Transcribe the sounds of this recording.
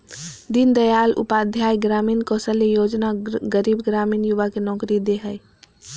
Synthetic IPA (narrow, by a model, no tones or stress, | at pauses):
d̪ind̪əjalʔṵpad̪ʱjajɡɾaminkɔsəlejod͡ʒnaɡəɾibɡɾamiːnjuʋakenɔkɾid̪eɦəj